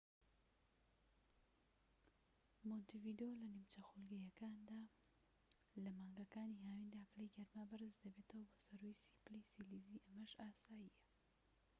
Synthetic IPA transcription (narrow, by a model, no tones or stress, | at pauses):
mont̪ivid̪eolɐniwt͡ʃɐxulɡɐjɐkaːnd̪aː | lɐmaːŋɡɐkaːniːhaːwind̪aːplejɡɐɾmabɨrɨzd̪ɐbet̪ʰɐwɐboːsɐɾwijsi̥plisiliziːʔɐmɐʒaːsaːjijɐ